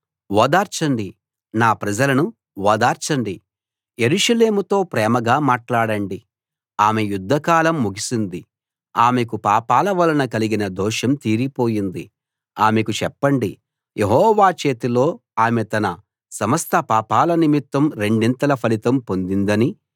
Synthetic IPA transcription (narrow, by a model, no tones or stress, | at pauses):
ʋɔːd̪aːɾt͡ʃɐɳɖi | naːpɾɐd͡ʒɐlɐnu | ʋɔːd̪aːɾt͡ʃɐɳɖi | jeɾuʃɐle̞ːmut̪o̞ːpɾɛːmɐɡaːmaːʈlaːɽɐɳɖi | aːmejud̪ʱːɐkaːlɐmːuɡisind̪i | aːmek̬upaːpaːlɐʋɐlɐnɐkɐliɡinɐd̪ɔːʃɐmt̪iːɾipoːjind̪i | aːmekut͡ʃɛpːɐɳɖi | jʔe̞ɦɔːʋaːt͡ʃe̞ːt̪ilo̞ːaːmet̪ɐnɐ | sɐmɐst̪ʰɐpaːpaːlɐnimit̪ːɐmɾe̞ɳɖint̪ɐlɐpʰɐlit̪ɐmpond̪ind̪ɐni